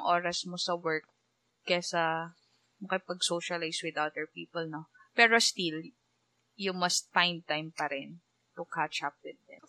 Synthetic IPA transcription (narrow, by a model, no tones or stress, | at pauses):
ŋʔoːɾɐsmosɐwɛɹk̚ː | ɛsɐ | nʊkɪpɐɡ̚soːʃɐlajswɪd̪ʔad̪ɛɹpiːpɔlnopɛːɾost̪il | jʊmɐst̪̚fajn̚t̪ajmpɐɾɪn | t̪ʊkat͡ʃɐp̚d̪ɛd̪d̪ɛn